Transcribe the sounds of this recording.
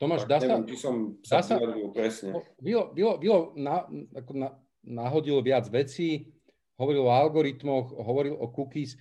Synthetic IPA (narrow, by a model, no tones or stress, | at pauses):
t̪ɔmaːʒd̪aːsɛamt͡ʃisɔmdd̪aːsaɛɾʋilpɾɛsɲɛɔʋilɔbilɔʋilɔnaakɔna | naɦɔɟilʋɪad͡zʋɛt͡siː | ɦɔʋɔɾilɔalɡɔɾit̪mɔxɦɔʋɔɾilɔkukis